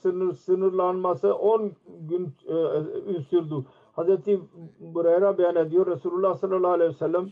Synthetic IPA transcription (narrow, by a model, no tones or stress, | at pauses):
sɯnɯsɯnɯɾlˠanmasɯʔonɡyn | yzt̪yɾd̪u | hazɾet̪ʰibuɾejɾabejaned̪ijoɾːesuːlʲulˠːahsalːalˠːaːlejesɛlːæm